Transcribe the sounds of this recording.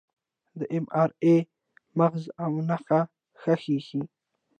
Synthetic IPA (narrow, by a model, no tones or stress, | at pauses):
d̪əʔemɑːɾe | maɣzawnaxa | xaxixi